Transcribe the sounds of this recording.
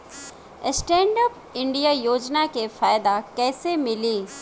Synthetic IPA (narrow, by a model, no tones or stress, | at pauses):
sʈẽːɳɖəp | ɪ̃ɳɖijajoːd͡ʑnakefaːɪd̪akɛːsemɪliː